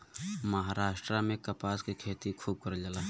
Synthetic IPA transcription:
məɦaːɾaːʃʈɾamẽkɐpaːskikʰeːt̪ikʰuːb̚kəɾd͡ʒəlaː

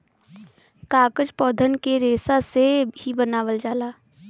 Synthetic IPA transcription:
kaːkəd͡ʒpɔːd̪ʱənkeɾeːsasehibənaːʋəld͡ʒaːlaː

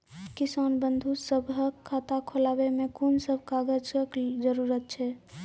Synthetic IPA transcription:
kɪsaːnbə̃nd̪ʱusəbʱɦəkʰːaːt̪akʰolaːwemẽkunsəbʱkaɡəd͡ʒəkd͡ʒəɾuɾət̪̚t͡ʃʰɛ

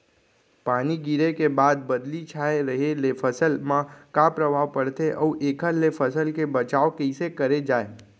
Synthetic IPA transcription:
paːniɡɪɾekebaːd̪bəd̪lit͡ʃʰaːeɾəɦelepʰəsəlmãkapɾəbʱaːʋpəɽt̪eʔɔuʔeːkʰəlepʰəsəlkebət͡ʃaːokeɪsekəɾed͡ʒaːe

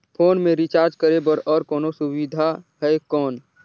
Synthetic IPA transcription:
pʰoːnmẽɾɪt͡ʃaːɾd͡ʒkəɾebəɾɔːɾkɔːnosʊwid̪ʱaɦɛkɔːn

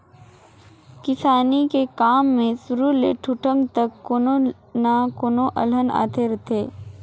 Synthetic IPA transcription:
kɪsaːnikekaːmːẽsʊɾulḛʈʰʊʈə̃ŋɡt̪əkːoːno | nakoːnoʔɐ̰ləna̰ːt̪ʰeɾɐt̪ʰeː

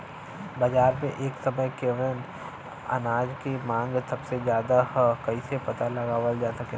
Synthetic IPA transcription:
bɐd͡ʒaːɾmḛ̃ʔeːksɐməjkeːʋɪn | ɐ̰naːd͡ʒkemãːŋɡsɐbsezjaːd̪ahkɐisepɐt̪alɐɡaːʋəld͡ʒaːsɐke

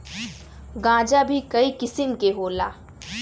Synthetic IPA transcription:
ɡãːd͡ʒabʱikɐikɪsɪmkeɦoːlaː

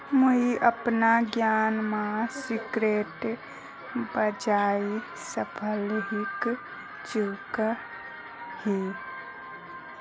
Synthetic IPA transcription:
moiʔəpnaɡjaːnmãsɪkɾeːʈ | bəd͡ʒaːi | səpʰəlɦɪk | t͡ʃuk | hi

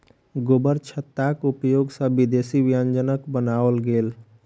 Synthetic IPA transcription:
ɡobəɾt͡ʃʰət̪ːakupjoɡsə̃bid̪esibjənd͡ʒənəkbənaʋəlɡel

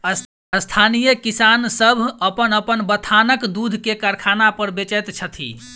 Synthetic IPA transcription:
ə | əst̪ʰanijəkisansəbʱəpənəpənbət̪ʰanəkd̪ud̪ʱkekaɾkʰanapəɾbet͡ʃɛt̪t͡ʃʰət̪ʰḭ

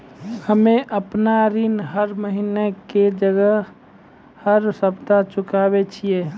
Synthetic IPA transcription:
həmeʔəpnaɾinɦəɾməɦineked͡ʒəɡəɦ | həɾsəpt̪at͡ʃʊkaːbet͡ʃʰijeː

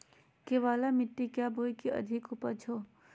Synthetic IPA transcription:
keʋaːlamɪʈːikjaːbʱoːjkiʔɐ̰d̪ʱɪkʊpət͡ʃʰoː

